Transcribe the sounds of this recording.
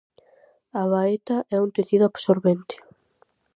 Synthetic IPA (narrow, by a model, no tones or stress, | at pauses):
aβaet̪ɐʔɛunt̪eθiðʊaβsoɾβent̪ɪ̥